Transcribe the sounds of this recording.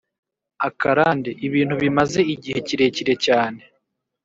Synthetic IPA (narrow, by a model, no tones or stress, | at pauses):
akaɾaːndeʔiβiːn̥huβimaze̞iɟihe̞ciɾe̞ciɾe̞caːne̞